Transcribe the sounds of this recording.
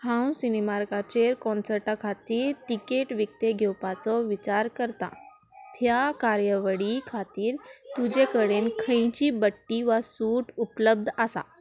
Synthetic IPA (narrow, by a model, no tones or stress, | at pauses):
hãw̃sinimaɾkat͡ɕeɾkɔnsəɾʈakʰat̪iːɾʈikeʈʋik̚t̪eɡʱewpat͡sɔʋit͡ɕaɾkəɾt̪a̰ | t̪ʰjakaɾjəʋəɽikʰat̪iːɾt̪ud͡ʑekəɽenkʰə̃j̃t͡ɕiːbəʈːiʋasuʈupləb̚d̪ʱasa̰